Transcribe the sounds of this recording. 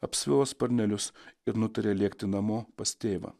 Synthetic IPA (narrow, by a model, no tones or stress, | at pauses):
ɐpʲsʲʋʲɪlˠospɐɾʲnʲɛlʲʊsɪɾnʊt̪ɐɾʲeːlʲiɛkt̪ʲɪnɐmoːpɐst̪ʲeːʋɐ̰ː